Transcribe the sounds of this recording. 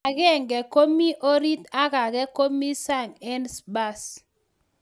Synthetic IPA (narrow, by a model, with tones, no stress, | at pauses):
a˨kɛ˦˨ŋɡɛ˨ko˦mi˦ʔo˦ɾi˦t̪a˦ka˨kɛ˦ko˦mi˦sa˦˨ŋɛ˦nsba˦s